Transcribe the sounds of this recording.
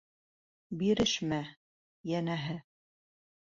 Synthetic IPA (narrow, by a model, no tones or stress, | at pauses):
biɾɘʃmæ | jænæɦɘ